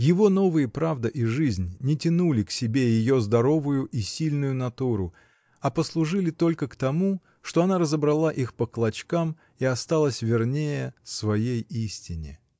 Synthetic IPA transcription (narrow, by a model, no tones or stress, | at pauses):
jɪvo̞no̞vɨjəpɾavd̪əʔiʐɨzʲnʲnʲɪtʲɪnulʲɪksʲɪbʲejɪjo̞zd̪ɐɾo̞vʊjʊʔisʲilʲnʊjʊnɐt̪uɾʊ | ɐpəslˠʊʐɨlʲɪt̪o̞lʲkəkt̪ɐmu | ʂt̪o̞ɐnaɾəzəbɾɐlˠaʔixpəklˠɐt͡ɕkam | iɐst̪alˠəsʲvʲɪrnʲejəsvɐjejisʲtʲɪnʲɪ̰